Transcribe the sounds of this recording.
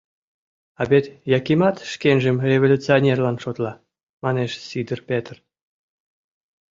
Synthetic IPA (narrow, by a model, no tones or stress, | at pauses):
ɑbʲet̪jɑkimɑt̪ʃkenʲʒĕmrʲevolʲut͡sionʲerlɑnʃot̪lˠɑ | mɑneʃsʲid̪ərpʲet̪r